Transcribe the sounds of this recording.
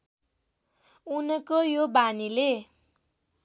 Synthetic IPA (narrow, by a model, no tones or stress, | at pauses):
unʌkojobanile